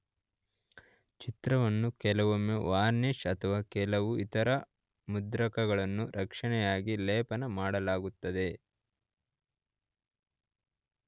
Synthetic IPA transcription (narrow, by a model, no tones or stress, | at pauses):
t͡ʃit̪ɾɐʋɐnːukɛlɐʋomeʋaːɾniʂɐt̪ʰɐʋaːkɛlɐʋuit̪ɐɾɐ | mud̪ɾɐkɐɡɐɭɐnːuɾʔɐkʂɐɳɛjaːɡilɛːpɐnɐmaːɽɐlaːɡut̪ːɐd̪e̞